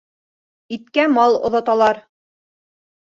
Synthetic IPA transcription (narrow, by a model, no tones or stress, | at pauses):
it̪kæmɑlˠŏ̰ðɑt̪ɑlˠɑɾ